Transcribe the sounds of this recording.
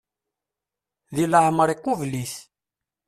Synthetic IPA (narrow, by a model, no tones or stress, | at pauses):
ðiləhməɾˤiqːuvliθ